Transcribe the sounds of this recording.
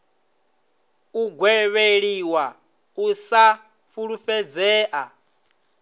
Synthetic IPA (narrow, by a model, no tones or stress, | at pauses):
uɡwɛβeɺiwa | usa | fuɺufɛd͡zɛːʔa